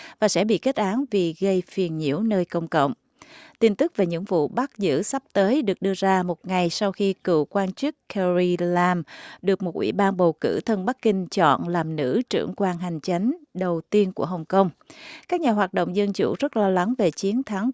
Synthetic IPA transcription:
vaː˨˩sɛ̰˧˥ɓḭ˧˨ke˦˥t̚ʔaː˨˦nvi˨˩ɣə˧jfi˨˩ənɲḭ˧˩əwnəː˧jkə˧wŋ͡mkə̰˧˨wŋ͡m | t̪i˧nt̪ɨ˦˥k̚ve˨˩ɲɨ̰˧˥ŋvṵ˧˨ɓa˦˥k̚zɨ̰˧˥sa˦˥p̚t̪əː˨˦jɗɨ˨˩ək̚ɗɨ˧əzaː˧mo˨˩t̚ŋa˨˩jsa˧wxi˧kɨ̰˧˨kwaː˧nt͡ɕɨ˦˥k̚kɛ˧zi˧laː˧mɗɨ˨˩ək̚mo˨˩t̚ʔwḭ˧˩ɓaː˧nɓə˨˩wkɨ̰˧˩t̪ʰə˧nɓa˦˥kːï˧ŋ̟t͡ɕɔ̰˧˨nlaː˨˩mnɨ̰˧˥t͡ɕɨ̰˧˩əŋkwaː˧nɦa˨˩jŋ̟t͡ɕa˨˦jŋ̟ɗə˨˩wt̪i˧ənku˧˩əɦə˨˩wŋ͡mkə˧wŋ͡mkaː˦˥k̚ɲaː˨˩ɦwaː˨˩t̚ɗo̰˧˨wŋ͡mzə˧nt͡ɕṵ˧˩zə˦˥t̚lɔ˧la˨˦ŋve˨˩t͡ɕi˨˦ənt̪ʰa˨˦ŋ

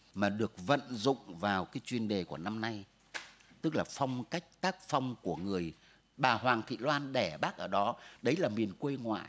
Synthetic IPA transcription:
maː˨˩ɗɨ˨˩ək̚və̰˧˨nzʊ̰˧˨ŋ͡mvaː˨˩wkaː˨˦jt͡ɕwi˧nɗe˨˩ku˧˩əna˧mna˧j | t̪ɨ˦˥k̚laː˨˩fa˧wŋ͡mka˦˥jk̟̚t̪aː˦˥k̚fa˧wŋ͡mku˧˩əŋɨ˨˩əj | ɓaː˨˩hwaː˨˩ŋt̪ʰḭ˧˨lwaː˧nɗɛ˧˩ɓaː˦˥k̚ʔəː˧˩ɗɔ˨˦ɗə˨˦jlaː˨˩mi˨˩ənkwe˧jŋwa̰ː˧˨j

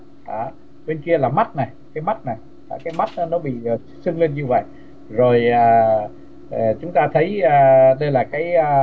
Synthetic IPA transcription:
ʔaː˨˩ | ɓe˧nki˧əlaː˨˩ma˦˥t̚na˨˩jkaː˨˦jma˦˥t̚na˨˩j | ʔaː˧˩kaː˨˦jma˦˥t̚ːnɔ˨˦ɓḭ˧˨˩ | sɨ˧ŋli˧nɲɨ˧və̰˧˨j | zo˨˩jʔaː˨˩˨ | t͡ɕʊ˨˦ŋ͡mt̪aː˧t̪ʰə˨˦jaː˧˩ɗə˧jlaː˨˩kaː˨˦j

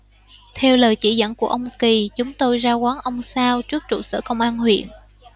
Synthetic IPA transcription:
t̪ʰɛ˧wləː˨˩jt͡ɕḭ˧˩zə̰˧˩nku˧˩əʔə˧wŋ͡mki˨˩t͡ɕʊ˨˦ŋ͡mt̪o˧jzaː˧kaː˨˦nʔə˧wŋ͡msaː˧wt͡ɕɨ˦˥ək̚t͡ɕṵ˧˨˩sə̰ː˧˩kə˧wŋ͡mʔaː˧nhwḭ˧˨ən

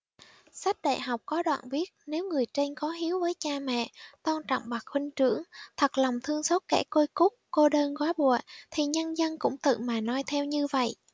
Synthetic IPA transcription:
sa˦˥k̟̚ɗa̰ː˧˨jɦa˨˩wk͡p̚kɔ˨˦ɗwa̰ː˧˨nvi˦˥ət̚ne˨˦wŋɨ˨˩əjt͡ɕe˧ŋkɔ˨˦ɦi˨˦əwvəː˨˦jt͡ɕaː˧mɛ̰˧˨t̪ɔ˧nt͡ɕɔ̰˧˨wŋ͡mɓa˨˩k̚xwï˧ŋ̟t͡ɕɨ˧˥əŋt̪ʰə˨˩k̚la˨˩wŋ͡mt̪ʰɨ˧əŋso˦˥t̚kɛ̰˧˥˩ko˧jkʊ˦˥k͡p̚ko˧ɗəː˧nɣwaː˨˦ɓu˧˨ət̪ʰi˨˩ɲə˧nzə˧nkʊ̰˧˥ŋ͡mt̪ɨ̰˧˨maː˨˩nɔ˧˦jt̪ʰɛ˧wɲɨ˧və̰˧˨jʔ

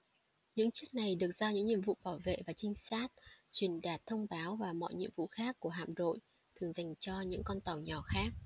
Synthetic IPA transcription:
ɲɨ̰˧˥ŋt͡ɕɨ˦˥ək̚na˨˩jɗɨ˨˩ək̚z̥ɔaː˧ɲɨ̰˧˥ŋɲḭ˧˨əmvṵ˧˨ɓaː˧˩wvḛ˧˨vaː˨˩t͡ɕï˧ŋ̟saː˦˥t̚t͡ɕwi˨˩ənɗaː˨˩t̚t̪ʰə˧wŋ͡mɓaː˨˦wvaː˨˩mɔ̰˧˨jɲḭ˧˨əmvṵ˧˨xaː˦˥kːu˧˩əɦa̰ː˧˨mno̰˧˨j | t̪ʰɨ˨˩əŋza˨˩jŋ̟t͡ɕɔ˧ɲɨ̰˧˥ŋkɔ˧nt̪ɔ˨˩wɲɔ˨˩xaː˦˥k̚

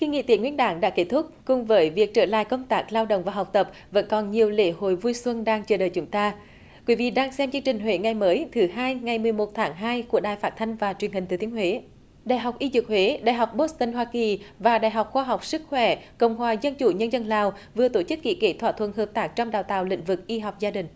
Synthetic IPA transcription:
ki˧ŋḭ˧˨t̪i˧˨˦ŋwḭ˧˥ənɗaː˨˦ŋɗa̰ː˧˥ke˦˥t̪ʰʊ˦˥k͡p̚kʊ˨˧˩ŋ͡mvəː˨˦jvi˨˩ək̚t͡ɕəː˧˩la̰ː˧˨jkə˧wŋ͡mt̪aː˦˥k̚laː˧wɗo̰˧˨ŋ͡mvaː˨˩ɦa˨˩k͡p̚t̪ə˨˩p̚ | və̰˧˥nkɔ˨˩nɲi˨˩əwlḛ˧˥ho̰˧˨jvu˧jswə˧nɗaː˧ŋt͡ɕəː˧˩ɗəː˨˩jt͡ɕʊ˨˦ŋ͡mt̪aː˧ | kwi˨˦vḭ˧˨ɗaː˧ŋsɛ˧mt͡ɕɨ˧əŋt͡ɕï˨˩ŋ̟ɦwe˧˨˦ŋa˨˩jməː˨˦jt̪ʰɨ˨˦ɦaː˧jŋa˨˩jmɨ˨˩əjmo˨˩t̚t̪ʰaː˨˦ŋɦaː˧jku˧˩əɗaː˨˩jfaː˦˥t̪̚ʰa˧jŋ̟vaː˨˩t͡ɕwi˨˩əŋhi˨˩ŋ̟t̪ɨː˨˩t̪i˨˦ənhwe˨˦ | ɗaː˨˩jɦa˨˩wk͡p̚ʔi˧zɨ˨˩k̚hwe˨˦ɗaː˧˨jɦa˨˩wk͡p̚ɓo˦˥t̚st̪ə˧nɦwaː˧ki˨˩vaː˨˩ɗaː˨˩jɦa˨˩wk͡p̚xwaː˧ɦa˨˩wk͡p̚sɨ˦˥k̚xwɛ̰˧˩kə̰˧˨wŋ͡mɦwaː˨˩zə˧nt͡ɕu˧˩ɲə˧nzə˧nlaː˨˩wvɨ˨˩ət̪o˧˩t͡ɕɨ˦˥kːḭ˧˥kḛ˧˥t̪ʰwa̰ː˧˨t̪ʰwə̰˧˨nhəː˨˩p̚t̪aː˦˥k̚t͡ɕɔ˧ŋ͡mɗaː˨˩wt̪a̰ː˧˨wlḭ̈˧˥ŋ̟vɨ˨˩k̚ʔi˧ɦa˨˩wk͡p̚zaː˧ɗï˨˩ŋ̟

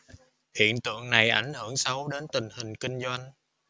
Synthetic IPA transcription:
hḭ˧˨ənt̪ɨ̰˧˨əŋna˨˩jʔa˧˩jŋ̟hɨ˧˩əŋsə˨˦wɗe˨˦nt̪ï˨˩ŋ̟hï˨˩ŋ̟ki˧ŋ̟zwa˧jŋ̟

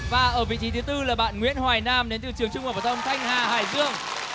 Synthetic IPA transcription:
vaː˨˩ʔəː˧˩vḭ˧˨t͡ɕi˨˦t̪ʰɨ˨˦t̪ɨ˧laː˨˩ɓa̰ː˧˨nŋwḭ˧˥ənhwaː˨˩jnaː˧mɗe˨˦nt̪ɨ˧˩t͡ɕɨ˨˩əŋt͡ɕʊ˧ŋ͡mvaː˨˩vaː˨˧˩ə˧wŋ͡mt̪ʰa˧jŋ̟haː˨˩haː˨˩jzɨ˧əŋ

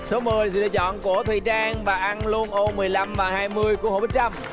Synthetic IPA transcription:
so˨˦mɨː˨˩jsɨ̰˧˩a̰ː˧˥t͡ɕɔ̰˧˨nku˧˩ət̪ʰḭ˧˨t͡ɕaː˧ŋvaː˨˩ʔa˧nlu˧ənʔo˧mɨ˨˩əjla˧mvaː˨˩haː˧jmɨ˧əjku˧˥əho̰˧˨˩ɓə˨˦t͡ɕa˧m

